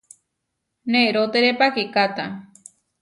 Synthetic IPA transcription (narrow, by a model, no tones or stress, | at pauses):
neʔɾot̪eɾepakikat̪a